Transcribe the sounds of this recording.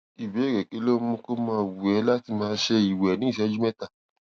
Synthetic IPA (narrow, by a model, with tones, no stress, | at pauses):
i˨bi˨˦˨ɾɛ˨ki˨˦lo˦mũ˧˦ko˦mãː˧˦wu˨ɛ˨˦la˦ti˧mãː˧˦˧ʃe˧i˨wɛ˨nĩ˨˦˨ʃɛ˨˦d͡ʒu˦mɛ˦ta˦˨